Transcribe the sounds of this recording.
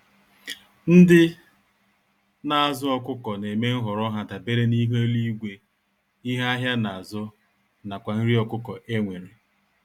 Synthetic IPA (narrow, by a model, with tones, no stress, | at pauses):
n̩˦dɪ˦ | na˨a˨zʊ˦ɔ˦kʊ˦kɔ˨ne˨me˦ŋ̩˦ɦɔ˨ɾɔ˦ɦa˨da˨be˦ɾe˦ni˦ɦo˦li˦i˦ɡʷe˨ | i˦ɦa˦ɦja˦na˨a˨zʊ˦ | na˨kʷa˨n̩˦ɾi˦ɔ˨kʊ˦kɔ˨ʔe˦ŋʷe˨ɾe˨